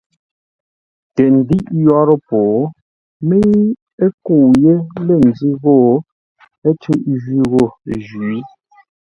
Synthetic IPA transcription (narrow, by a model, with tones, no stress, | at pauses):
tɛ˨n̩˨di˦ʔjwa˦ɾɔ˦pɔː˨˦ | me˦ | e˦ko˨je˦le˦˨n̩˨d͡zi˦ɣɔ˦˨ | e˦tʰʉ˦ʔʒɥi˦ɣo˦˨ʒi˨˦